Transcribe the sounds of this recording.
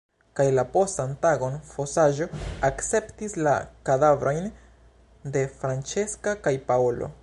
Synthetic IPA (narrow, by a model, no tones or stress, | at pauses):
kajlapo̞stantaɡo̞nfo̞saʒo̞akt͡se̞ptislakadavɾʔo̞jn | de̞fɾant͡ʃe̞skakajpaolo̞̰